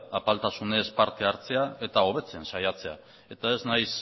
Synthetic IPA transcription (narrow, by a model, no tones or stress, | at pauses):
apalt̪asune̞spaɾt̪e̞aɾt͡se̞ae̞t̪ao̞β̞e̞t͡se̞nsajat͡se̞a̰ | e̞t̪ae̞znajs